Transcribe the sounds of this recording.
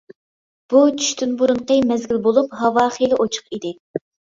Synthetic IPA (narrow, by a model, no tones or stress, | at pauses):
b̥ut͡ʃʰy̥ʃt̪ʰynbuɾʊɴqəmɛzɡʲilbolˠupɦɑwɑːχilˠɪʔot͡ʃʰʊ̥qid̪ɪ